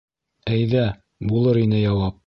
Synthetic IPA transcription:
æjðæ | bulˠɤɾinɘjɑwɑp̚

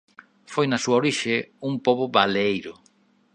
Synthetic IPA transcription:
fojnasuaoɾiʃeumpoβʊβaleejɾʊ

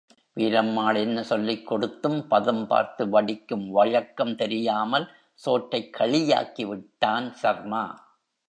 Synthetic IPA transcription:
ʋiːɾɐmːaːɭɛnːɐsɔlːɪkːɔɽɯt̪ːɯmpɐðɐmpa̰ːɾt̪ɯʋɐɽɪkːɯmʋɐɻɐkːɐmt̪ɛɾɪjaːmɐl | soːʈɾɐɪkʰːɐɭɪja̰ːkiʋɪʈːaːnsɐɾmaː

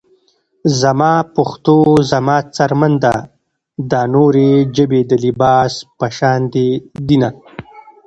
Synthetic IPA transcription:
zamɑpʊxt̪ozamɑːt͡saɾmand̪a | d̪ɑːnoɾed͡ʒəbed̪əlibɑːspaʃɑːnd̪ed̪ina

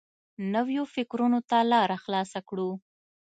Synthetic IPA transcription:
nəwjofɪkɾunot̪alɑɾaxlɑsakɽu

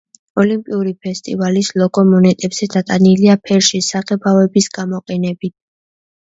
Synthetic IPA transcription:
ɔlimpʼiuɾipʰɛst̪ʼḭvalislˠɔɡɔmɔnɛt̪ʼɛbz̥ɛd̪at̪ʼaniliapʰɛɾʃisaʁɛbavɛbisɡ̥amɔqʼɛnɛbit̪̚ʰ

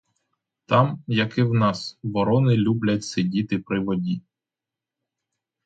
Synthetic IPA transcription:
t̪ɑmjɐkɪwnɑsʋɔɾɔnɪlʲublʲɐtʲsɪdʲit̪ɪpɾɪʋɔdʲi

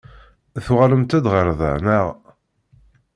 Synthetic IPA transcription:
θuʁaləmt̪æd̪ʁəɾðˤə̰nəʁ

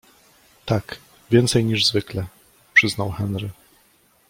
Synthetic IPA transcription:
t̪ak | vʲjɛnt̪sɛjɲiʐzvɘklɛ | pʂɘznawxɛnɾɘ

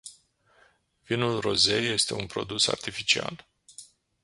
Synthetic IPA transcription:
vinulro̞ze̞jːe̞st̪e̞unpɾo̞̰d̪usa̰rt̪ifit͡ʃia̰l

